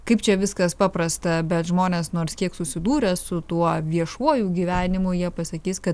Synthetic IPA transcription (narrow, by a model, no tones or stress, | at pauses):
kɐɪp̚t͡ʃʲɛʋʲɪskɐspɑːpɾɐst̪ɐbʲɛt̪ʒmoːnʲeːsnoːrskʲiɛksʊsʲɪd̪uːɾʲɛsʊt̪uɔʋʲiɛʃuɔjuːɡʲiːʋʲæːnʲɪmʊjiɛpɐsɐkʲiːskɐt̪